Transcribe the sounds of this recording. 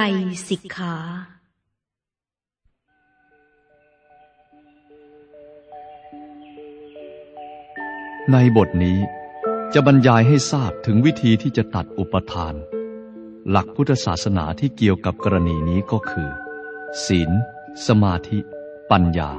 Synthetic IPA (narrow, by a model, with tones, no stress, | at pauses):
a˧jsi˨˩˦kʰːaː˩˦ | na˧jbo˨˩t̪̚niː˦˥t͡ɕa˨˩ʔba˧njaː˧jɦa˥˩jsaː˥˩p̚t̪ʰɯ˩˦ŋwi˦˥t̪ʰiː˧t̪ʰiː˥˩t͡ɕa˨˩ʔt̪a˨˩t̪̚ʔu˨˩pːa˧t̪ʰaː˧n | la̰˨˩k̚pʰu˦˥˩t̪ʰːa˧sa̰ː˨˩t̪̚sa˧na̰ː˩˦t̪ʰiː˥˩ki˨˩əwka˨˩p̚kɔ˧ɾa˧niː˧niː˦˥kɔː˥˩kʰɯː˧siː˩˦n | sa˧maː˧t̪ʰi˦˥ | pa˧nja̰ː˧